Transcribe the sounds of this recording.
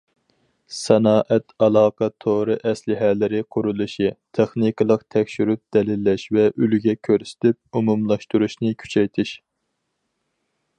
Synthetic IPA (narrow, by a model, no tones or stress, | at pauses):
sɛnɑːʔɛt̪ʰɑlˠɑːqʰɑt̪ʰoɾɨʔɛslɪɦɛlɪɾɪqʰuɾulˠɨʃit̪ʰeχnɨkɨlˠəqt̪ʰɛkʲʃyɾyp̚d̪̥ɛlɪlːɛʃvɛʔylɡʲɛkʲʰøɾsɪ̥t̪ʰɪp̚umumlˠɑʃt̪uɾuʃnɨkʲʰy̥t͡ʃʰɛjt̪ʰɪʃ